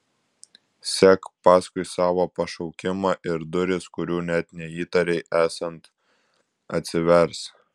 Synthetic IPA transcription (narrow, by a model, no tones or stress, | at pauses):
sʲɛkpɑːskʊɪsɑːʋoːpɐʃɒʊkʲɪmɑːʔɪɾd̪ʊɾʲɪskʊɾʲuːnʲɛt̪nʲɛiːt̪ɐɾʲɛɪʔæːsɐnt̪ | ɐt̪ʲsʲɪʋʲɛɾs